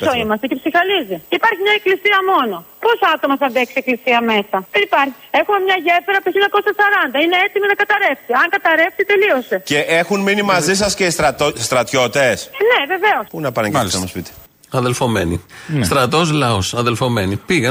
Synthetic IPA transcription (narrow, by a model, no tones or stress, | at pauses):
soimɐst̪ece̞psixɐliziipɐɾçimɲɐeklisiɐmo̞no̞po̞soɐt̪o̞mɐθɐðeksieklisiɐme̞sɐðenipɐɾçie̞xume̞mɲɐʝefeɾɐpueçiɲɐko̞sɐsɐɾɐnd̪ɐine̞et̪iminɐkɐt̪ɐɾe̞fsiɐŋkɐt̪ɐɾe̞fsit̪e̞lio̞st̪eceʔexunminimɐzis̬ɐsceist̪ɐt̪st̪ɾɐt̪ço̞t̪esne̞ve̞ve̞o̞spunɐpɐnesɐmɐspit̪i̥ | ɐðelfome̞nist̪ɾɐt̪o̞zlɐosɐðe̞lfo̞me̞nipiɣɐ